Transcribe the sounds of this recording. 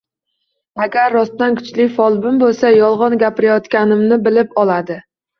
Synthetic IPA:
aɡʲaɾːɒst̪ankʰʊ̥t͡ʃlɪfɒlˠbɪmbolˠsajɒlˠʁɒnɡʲapɪɾajɒt̪kʲanɪmnɪbɪlɪpɒlad̪ɪ

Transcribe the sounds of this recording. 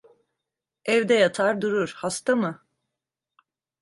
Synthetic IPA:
ɛvd̪ɛjat̪ʰaɾd̪uɾuɾ̥hast̪amɯ

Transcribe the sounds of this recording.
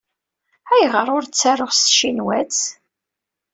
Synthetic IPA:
æjʁəɾˤʊɾt͡sːæroʁst̪ʃinwæt͡s

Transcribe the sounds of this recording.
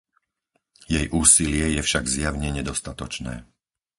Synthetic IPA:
jɛjʔuːsilɪɛjɛfʃaɡzjaʊɲɛɲɛd̪ɔst̪at̪ɔt͡ʃnɛ̰ː

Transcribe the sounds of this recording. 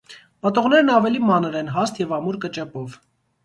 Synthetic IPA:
pɑt̪ɔʁn̪ɛɾnɑvɛlimɑnəɾɛnɦɑst̪jɛvɑmuɾkət͡ʃɛpɔv

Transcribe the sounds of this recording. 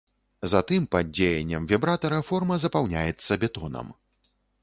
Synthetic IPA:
zat̪ɨmpad͡zʲejɛnʲːɐmvʲɛbɾat̪ɐɾɐfɔrmɐzɐpawnʲajɛt̪sːɐbʲɛt̪ɔnɐ̰m

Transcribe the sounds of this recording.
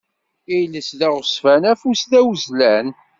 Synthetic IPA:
ijləsðæʁəsfænæfusðæwzlæn

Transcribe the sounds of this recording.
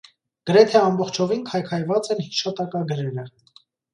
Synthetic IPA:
ɡ̥əɾɛt̪ʰɛɑmbɔχt͡ʃʰɔvinkʰɑjkʰɑjvɑt͡sɛnhiʃɑt̪ɑkɑɡəɾɛɾə

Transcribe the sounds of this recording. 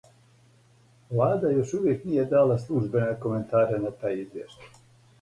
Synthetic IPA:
ʋlaːd̪ajo̞ʃuʋje̞knije̞d̪aːlaslˠuʒbe̞neko̞me̞nt̪aːɾenat̪aːjizʋjḛʃt̪ḁj

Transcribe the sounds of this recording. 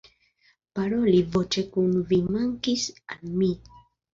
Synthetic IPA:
paɾolivot͡ʃekunvimaŋkisami

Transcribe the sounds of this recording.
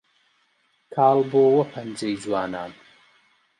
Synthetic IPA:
kʰaːlboːwɐpʰɐnd͡ʒɐjzwaːnaːn

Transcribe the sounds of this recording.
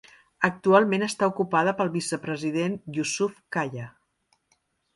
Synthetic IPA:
ək̚t̪ualˠmenəst̪aukupaðəpəlˠβisəpɾəziðenjusufkaʎə

